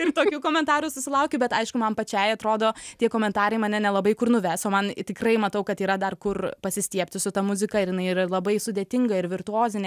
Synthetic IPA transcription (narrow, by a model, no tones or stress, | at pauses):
ɪrt̪oːkʲuːkoːmʲɛnt̪ɑːɾuːsʊsʲɪlˠɐʊkʲʊbʲɛt̪ɐɪʃkʊmɐnpɐt͡ʃʲɛɪɐt̪ɾoːd̪oːtʲiɛkoːmʲɛnt̪ɑːɾɐɪmɐnʲɛnʲɛlˠɐbɐɪkʊrnʊʋʲæːsoːmɐnt̪ʲɪkrɐɪmɐt̪ɐʊkɐt̪iːɾɐd̪ɐrkʊrpɐsʲɪsʲt̪ʲiɛpʲt̪ʲɪsʊt̪ɐmʊzʲɪkɐɪɾjɪnɐɪɪrɐlˠɐbɐɪsʊd̪ʲeːt̪ʲɪŋɡɐɪɾʋʲɪrt̪ʊoːzʲɪnʲ